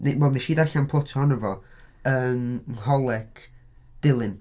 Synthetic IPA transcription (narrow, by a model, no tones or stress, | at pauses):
newɛlˠðeʃiːdarɬanpʰotʰɔnəvɔəːnhɔlˠɛkʰ | d̥ɪlˠɪn